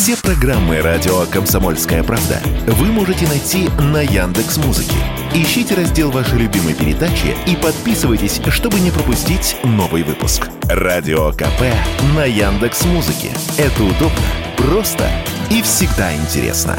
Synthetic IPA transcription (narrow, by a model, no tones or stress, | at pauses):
fsʲepɾɐɡramːɨɾadʲɪokəmsɐmo̞lʲskəjəpɾavd̪ə̰vɨmoʐɨtʲɪnɐjtʲinɐjand̪ɨksmuzɨ̰kʲɪ̰ | ɪɕːitʲɪɾɐzʲdʲe̞lˠvaʂɨjlʲʊbʲiməjpʲɪɾʲɪd̪at͡ɕɪ̰ipɐt̪̚pʲisɨvəjtʲɪsʲʂt̪o̞bɨnʲɪpɾəpʊsʲtʲitʲno̞vɨjvɨpʊ̰sk | radʲɪokɐ̰pɛnɐjand̪ɨksmuzɨkʲɪ̰ | ɛt̪əʊd̪o̞bnə̰prost̪ə̰ | ifsʲɪɡd̪aɪ̰nʲtʲɪ̰ɾʲḛsnə̰